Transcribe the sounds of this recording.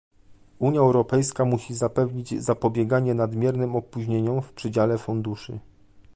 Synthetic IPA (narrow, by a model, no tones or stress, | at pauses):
uɲjaɛwɾɔpɛjskamuɕizapɛvɲid͡ʑzapɔbʲjɛɡaɲɛnad̪mʲjɛɾnɘmɔpuʑɲeɲɔmfpʂɘd͡ʑalɛfund̪uʂɘ̰